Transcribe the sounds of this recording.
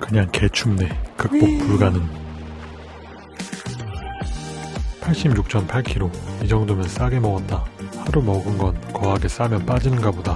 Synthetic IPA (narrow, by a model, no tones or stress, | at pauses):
kɯɲaŋke̞t͡ɕʰumne̞kɯk̚p͈ok̚puɭɡanɯn | pʰaɭɕ͈ibjuk̚t͡ɕ͈ʰʌnpʰaɭkʰiɾoid͡ʑʌŋdomjʌns͈aɡe̞mʌɡʌt̚t͈ahaɾumʌɡɯnɡʌnkʌɦaɡe̞s͈amjʌnp͈ad͡ʑinɯnɡaboda